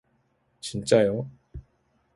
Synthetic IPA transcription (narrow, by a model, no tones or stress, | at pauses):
t͡ɕʰint͡ɕajo